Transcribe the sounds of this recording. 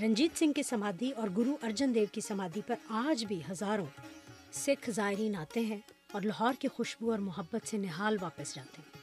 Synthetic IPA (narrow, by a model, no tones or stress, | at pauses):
ɾɐ̃ɲd͡ʒiːt̪sɪ̃ŋɡkisɐmaːd̪ʱiɔːɾɡʊɾuʔɐɾd͡ʒənd̪eːʋkisɐmaːd̪ʱipɐɾaːd͡ʒbʱiɦɐzaːɾõ | sɪkʰzaːɪɾiːnaːt̪eɦɛ̃ | ɔːɾlɐɦɔːɾkixʊʃbuɔːɾmʊɦəbːət̪senɪɦaːlʋaːpəsd͡ʒaːt̪eɦɛ̃ː